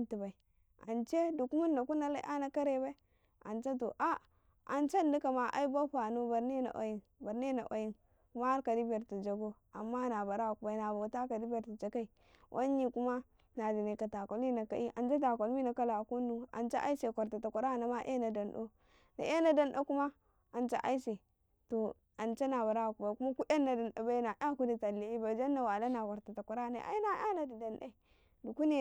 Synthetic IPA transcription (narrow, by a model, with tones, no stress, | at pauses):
nti˨ba˨i˨ | a̰˨nt͡ʃe˦du˨ku˦ma˦nː˦a˨ku˦na˦la˦ʔa˦na˦ka˦ɾe˦ba˦i˦ | a˨nt͡ʃa˦t̬o˨ʔa˦ | a˨nt͡ʃa˦˨˦di˦ka˨ma˨ʔa̰˦i˦ba˦ɸa˨no˦ba˨ɾne˦na̰˨ʔa̰˨ji˦nba˨ɾn˦e˦na˨ʔa̰˨ji˦n | ku˦ma˦a˦ɾka˨di˦be˨ɾti˨d͡ʒa˨ɡo˦ | a˨mːa˦na˨ba˨ɾa˦˨ku˨ba˨i˨na˨bo˨ta˦ka˨di˦be˨ɾti˨d͡ʒa˨ka˦i˨ | wʔa̰˦ɲi˨ku˦ma˦ | na˨di˨na˨ka˨ta˨ko˨li˦na˨ka˦ʔi˦ʔa˨nt͡ʃa˦t̬a˨ko˨lmi˦na˨ka˦la˨ku˦nːu˦a̰˨nt͡ʃa˦ʔa̰˦i˦se˨kʷa˨ɾta˨ta˨kʷa˨ɾa˦˨na˨ma˦ʔḛ˦na˨da˨nɗo̰˦ | na̰˨ʔe˦na˦˨da˦nɗa˦ku˦ma˦ | a˨nt͡ʃa̰˦ʔa̰˦i˦se˨ | to˨ | a˨nt͡ʃa˦na˨βa˨ɾa˦a˨ku˨ba˨ku˦ma˦ku˦ʔa˦nːa˨da˨na˨ba˦i˦na˨ʔa˦ku˦di˨ta˨lːi˨˦i˦ba˨d͡ʒa˦nːa˨wa˨la˦na˨kʷa˨ɾta˨ta˨kʷa˨ɾa˦˨na̰˨˦a̰˦i˦na˦a˦na˨di˨da˨nda̰˦ | du˨ku˦ne˨